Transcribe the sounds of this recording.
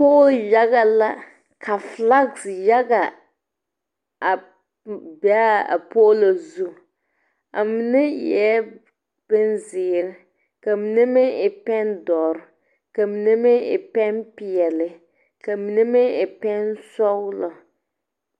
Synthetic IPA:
pʊ˦ʔja˦ɣa˨la˦ | kʰa˨fla˦ɡsja˦ɡa˨ | a˨ | bɛ˨˦a̰˨po˦ʔlo˨zu˦ | a˨mi˨nɪ˦jɛ˦ | b̥ɪ˦n˦zɪː˨ɾɪ˨ | ka˨mi˨nɛ˦mɪ˦ɪ˨pɛ˦ndɔ˨ɾ | ka˨mi˨nɛ˦mɪ˦ɪ̰˨pɛ˦npɪ˨ɛ˨lɪ˨ | ka˨mi˨nɛ˦mɪ˦ɪ˨pɛ˦nsɔ˦ɣlɔ˨

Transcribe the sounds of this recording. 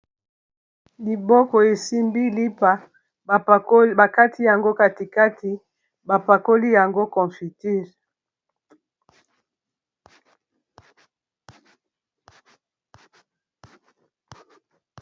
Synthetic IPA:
li˨bɔ˦kɔ˨e˨si˦mbi˦li˦pa˨˦ | ba˨ka˦tʰi˦ja˨ŋɡo˦ka˦ti˨ka˦tʰi˨ | ba˨pa˨ko˦li˦ja˨ŋɡo˦kɔ˨fi˨ti˦˨ʁ

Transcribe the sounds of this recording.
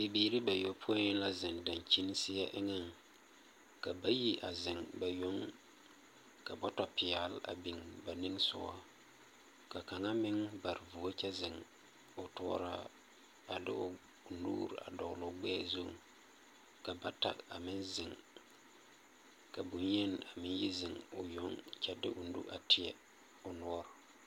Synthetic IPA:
bɪ˨biː˨ɾɪ˦ba˨jo˦pʰʊ˦a˦ɲɪ˦n˦la˦zɪ˨ŋda˨nt͡ʃi˦n˦sɪ˦ja˦ʔɪ˦ŋa˦ŋ | ka˨ba˦ji˦ʔa̰˨zɪ˨ŋba˨jo˦ŋ | ka˨bɔ˦tɔ˦pɪ˨a˨la̰˨bɪ˨ŋba˨nɪ˦ŋsʊ̰˨a̰˦ | ka˨ka˨ŋa˦mɪ˦ŋba˨ɾvu˨o˦t͡ʃɛ˦zɪ˨ŋ | ʊ˨tɔ̰ː˦ɾa̰˦ | a˨lɪ̰˦ʊ˦˨ | nṵː˦ɾa̰˨dɔ˨ɣlʊ˨˦ɡ͡bɛː˦zu˦˨ | ka˨ba˨ta̰˨ka˨mɪ˦nzɪ˨ŋ | ka˨bu˨nje˦n˨a˨mɪ˦ji˦zɪ˨ŋʊ˨jo˦ŋt͡ʃɛ˦dɪ˦ʔʊ˨n˦dṵ˦ʔa˨tɪ˨ɛ˦ | ʊ˨nɔ˦ɔ˦ɾ

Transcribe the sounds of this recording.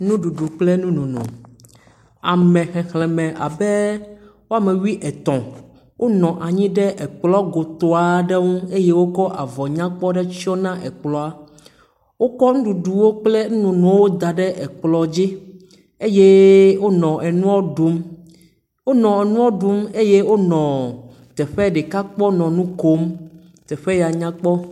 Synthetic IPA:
nũ˦ɖu˨ɖu˨k͡ple˦nũ˦nũ˨nṵ̃˨ | a˨mɛ̃˨xɛ̃˨xlɛ̃˨mɛ̃˨ʔa̰˨be˦wo˦a˨mẽ˨wi˦ʔɛ˨t̪ɔ̃˨ | wʔo˦nɔ̃˨ʔa˨ɲĩ˦ɖɛ˦ʔɛ˨k͡plɔ˦ɡo˨t̪o˨a˦ɖe˦ŋũ˦e˦je˦wo˦kɔ˦ʔa˨vɔ˨ɲã˦k͡pɔ˦ɖɛ˦t͡ɕi˦ɔ˦nã˦ʔɛ˨k͡plɔ˨a˦ | wo˦kɔ˦ŋ̩̃˦ɖu˨ɖu˨wo˦k͡ple˦n̩˦nũ˨nũ˨˦wo˦d̪a˨ɖɛ˦ʔɛ˨k͡plɔ˨d͡ʑi˦ | e˦je˦wo˦nɔ̃˨ʔɛ˨nũ˦ɔ˦ɖu˨˦m | wo˦nɔ̃˨ɛ˨nũ˦ɔ˦ɖu˦me˦je˦wo˦nɔ̃˨ | t̪ɛ˨ɸɛ˦ɖɛ˨ka˦k͡pɔ˦nɔ̃˨nũ˦ko˦m | t̪ɛ˨ɸɛ˦ja˨ɲã˦k͡pɔ˦

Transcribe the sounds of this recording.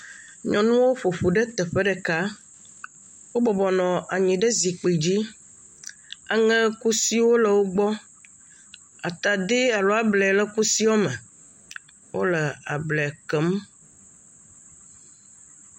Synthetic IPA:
ɲɔ̃˨nũ˦wo˦ɸo˨ɸu˨ɖe˦t̪ə˨ɸe˦ɖɛ˨ka˦ | wo˦bɔ˨bɔ˨nɔ̃˨ʔa˨ɲĩ˨ɖe˦zi˨k͡pi˨d͡ʑi˦ | a˨ŋɛ̃˦ku˦si˦wo˦lə˨wo˦ɡ͡bɔ˦ | a˨t̪a˨d̪i˦a˨lo˦a˨blɛ˨lə˦ku˦si˦wɔ˦mɛ̃˨ | wʔo̰˦lə˨a˨blɛ˨kə˨˦m

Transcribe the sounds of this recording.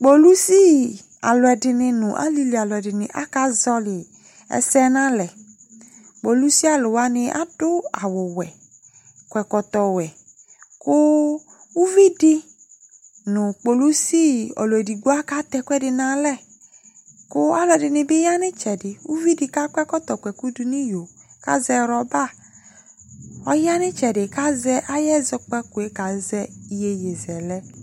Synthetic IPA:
k͡po˨lu˦si˦ | a̰˨lʊ˨ɛ˨dɪ˨nɪ˧nʊ̃˨ʔa̰˦li˦li˨a˨lʊ˨ɛ˨dɪ˨nɪ˨ʔa̰˦ka˦zɔ˦lɪ˨ | ɛ̰˨sɛ˦nã˦lɛ˨ | k͡po˨lu˦si˦a˦lʊ˨wa˦nɪ̃˨ʔa̰˦dʊ˦a˨wʊ˨wɛ˨ | kwɛ˨kɔ˨t̪ɔ˨wɛ˨ | kʊ˦ | wu˦vi˦dɪ˦ | nʊ̃˨k͡po˨lu˦si˦ɔ̰˨lɔ˨di˨ɡu˦a˦ka˦t̪ɛ˦kʷɛ˦dɪ˨na˨lɛ˦ | kʊ˦a˦lɔ˨dɪ˨nɪ˨bɪ˦ja˦nɪ˦t͡ʃɛ˨dɪ˨u˦vi˦dɪ˨ka˦kʷɛ˦kɔ˦t̪ɔ˨kʷɛ˨ku˦du˨ni˦jo˨ka̰˦zɛ˦ɾɔ˨ba˦˨ | ɔ˦ja˦nɪ˦t͡ʃɛ˨dɪ˨ka˦zɛ˦ʔa˦jɛ˦zɔ˦k͡pɛ˦ku˨e˦ka˨˦zɛ˦i˦je˨je˨zɛ˨lɛ˦

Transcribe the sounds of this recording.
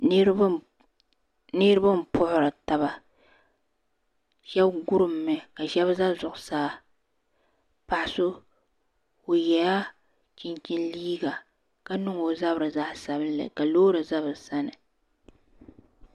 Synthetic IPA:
nɪ˦ɾɨ˦ba˦m˨pʊ˦ʔʊ˦ɾɨ˨ta˨ba˨ | ʃɛ˦bɡʊ˦ɾɨ˨mːɛ˨˦ka˨ʃɛ˦bza˦zʊ˨ʔʊ˨saː˦ | pa˨ʔsʊ˦ | o˨jɛ˨ja˦ | t͡ʃɪ˨nt͡ʃɪ˦nliː˦ɡa˨ | ka˦nʊ˦ŋo˨za˦bɾɨ˨za˦ʔsa˨bɨ˦n˦lɨ̰˨ka˨loː˦ɾɨ˨za˦βɨ˨sa˦nɨ˨

